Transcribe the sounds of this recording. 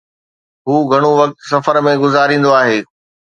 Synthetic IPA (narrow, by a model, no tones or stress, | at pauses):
ɦuːɡʱɐɽ̃oʋɐk̚t̪sɐfəɾmẽɡʊzaːɾĩːn̆d̪oaːɦeː